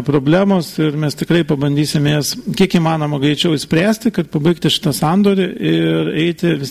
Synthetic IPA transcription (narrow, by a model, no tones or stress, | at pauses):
pɾoːbʲlʲæːmoːsɪɾmʲɛst̪ʲɪkɾɐɪpɐbɐnʲd̪ʲiːsʲɪmʲjeːskʲiɛkiːmɑːnoːmɐɡɾʲɛɪt͡ʃʲɛʊɪsʲpʲɾʲæːsʲt̪ʲɪkɐt̪̚pɐbɐɪkt̪ʲɪʃʲɪ̥t̪ɐsɑːnd̪oːɾʲɪʔɪrɛɪt̪ʲɪʋʲɪ